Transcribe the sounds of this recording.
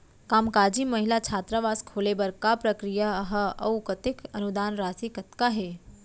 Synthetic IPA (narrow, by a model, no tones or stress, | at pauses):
kaːmkaːd͡ʒiməɦilat͡ʃʰaːt̪ɾəʋaːskʰoːlebəɾkapɾəkɾijaɦəɐ̰wkət̪ɪkɐnud̪aːnɾaːsikɐt̪kaɦe